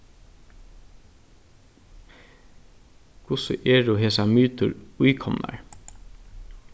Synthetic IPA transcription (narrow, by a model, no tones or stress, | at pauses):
kʰʊsə̰ʔeːɖuːheːsɑmyːt̪ʊɹʉʏkʰɔmnʔɑ̰ɹ